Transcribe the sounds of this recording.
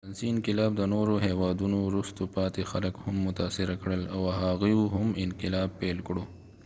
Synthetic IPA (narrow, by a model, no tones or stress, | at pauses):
ansiɪnqɪlɑb̚d̪ənoɾoɦewɑd̪unowɾust̪opɑt̪exaləkhʊmːʊt̪ɑːsɪɾakɽəlawɦaɣijoɦʊmɪnqɪlɑːb̚pːelkɽo